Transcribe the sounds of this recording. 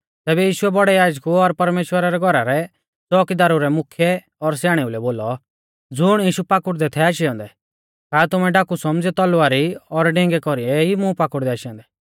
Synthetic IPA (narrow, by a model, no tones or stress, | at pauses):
t̪ɛːbɛjiːʃʊɛbɔɽɛjaːd͡ʒkuɔɾpɐɾmeːʃwəɾaɾɛɡʱɔɾaɾɛ | t͡sɔːkɪd̪aːɾuɾɛmʊkʰjɛ | ɔɾs̬jaːɽ̃ɛulɛboːlɔ | d͡zʊɽ̃jiːʃupaːkʊɽd̪ɛt̪ʰɛaːʃiɔ̃ːnd̪ɛ | kaːt̪ʊmɛ̃ɖakusɔmd͡zɛt̪ɔlʊaːɾiɔɾɖɛ̃ŋɡɛkɔɾiɛimũpakʊɽd̪ɛaːʃiɔ̃ːnd̪ɛ